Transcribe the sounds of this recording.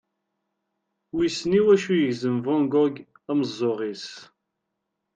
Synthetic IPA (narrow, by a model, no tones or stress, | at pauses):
wisniwæʃujəʝzəmvɔŋɡɔɡ | æməzˤːoʁis